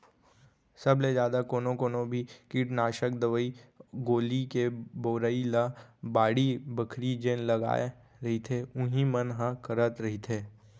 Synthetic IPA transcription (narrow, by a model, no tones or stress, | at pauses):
sɐbled͡ʒjaːd̪akoːnõkoːnõbʱikiʈnaːʃək̚d̪əʋəiɡoːlikeboːɾəilabaːɽibəkʰɾid͡ʒeːnlɐɡa̰ːe | ɾɐɦit̪ʰeʊɦimənɦãkəɾət̪ɾɐɦit̪ʰeː